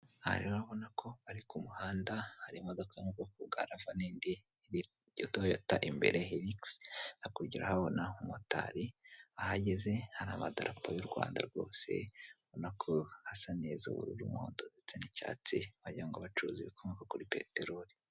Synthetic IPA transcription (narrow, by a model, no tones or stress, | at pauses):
ha̰ɾioaβo̞nakʰo̞aɾikumuhaːndahaɾimodokamukokuɡa̰ɾavaniːndi | i | jotojotaʔimbe̞̰ɾehiɾiksakuɾɟiɾahaβo̞naumota̰ɾiahaɟe̞ze̞haɾaːβadaɾapojuɾɡwa̰ːnda̰ɾɡo̞ːse̞̰aβonakʰohasanezo̰βṵɾuɾṵmoːndozet͡senica̰t͡siβaɟaaŋɡaβat͡ʃuɾuːziβikʰomekokuɾipḛteɾoɾi